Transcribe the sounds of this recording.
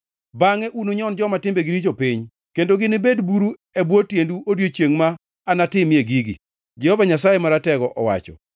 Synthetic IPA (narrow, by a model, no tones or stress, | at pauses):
baŋɛʔunoɲɔnd͡ʒɔmatɪmbeɡiɾit͡ʃopiɲ | kendoɡɪnɪbedbuɾu | ɛbwotjenduodjot͡ʃjeŋmaː | natɪmjeɡiɡḭ | d͡ʒɛhɔvaɲasajemaɾatɛɡɔʔɔwa̰t͡ʃɔ̰